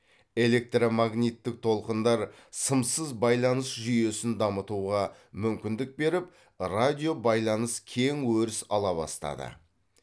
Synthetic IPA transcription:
e̞le̞k̚t̪romaɡnʲijt̪ːɪk̚t̪ʰo̞lˠqənd̪ɑɾ | səmsəzbɑjlˠɑnəsʒʏje̞sɪnd̪ɑmət̪uʁɑ | mʏmkʲɪnd̪ɪk̚be̞ɾɪp̚ | rad̪ʲijo̞bɑjlˠɑnəskʲʰe̞ŋwɵɾɪsɑ̰lˠɑβɑ̰st̪ɑ̰d̪ə̰

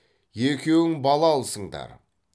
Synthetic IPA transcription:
jekʲe̞wɪŋbɑlˠɑlˠsəɴd̪ɑ̰ɾ

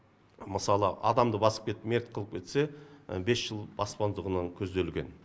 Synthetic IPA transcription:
məsɑlˠə̰ɑ̰d̪ɑmd̪əbɑsəp̚kʲʰe̞t̪me̞rt̪̚qʰəlˠəp̚kʲʰe̞t̪se̞be̞sʒ̥əlˠbɑspɑnd̪əʁənɑŋkʲʰɵzd̪e̞lɡʲe̞̰n

